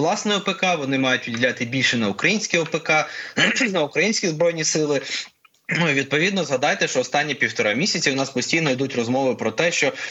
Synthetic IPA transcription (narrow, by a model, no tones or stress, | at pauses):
lˠɑsnɔjɔpekɑʋɔnɪmɑjʊtʲʋʲidʲilʲat̪ɪbʲilʲʃɛnɐukɾɐjinʲsʲkʲiɔpekɑ | nɐukɾɐjinʲsʲkʲizbɾɔjnʲisɪlˠɪ | nuʋʲid̪̚pɔʋʲid̪nɔzɦɐd̪ɑjt̪ɛʃt͡ʃɔɔst̪ɑnʲːipʲiwt̪ɔɾɑmʲisʲɐt͡sʲiʊnɑspɔsʲtʲijnɔid̪utʲrɔzmɔʋɪpɾɔt̪ɛʃt͡ʃɔ